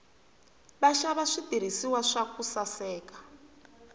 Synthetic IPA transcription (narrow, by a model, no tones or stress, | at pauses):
βaʃaβaʂidiɾ̤isiwaʂakusasɛːkḁ